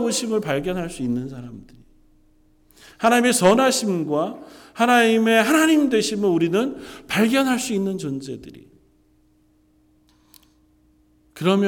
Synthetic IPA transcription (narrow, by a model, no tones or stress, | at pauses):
boɕʰimɯɭpaɭɡjʌnɦaɭs͈uinːɯnsʰaɾamdɯɾi | hanaɲime̞t͡ɕʌnɦaɕʰimɡwahanaɲime̞ɦanaɲimdwe̞ɕʰimɯnuɾinɯnpaɭɡjʌnɦaɭs͈uinːɯnt͡ɕʌnd͡ʑe̞dɯɾḭ | kɯɾʌmj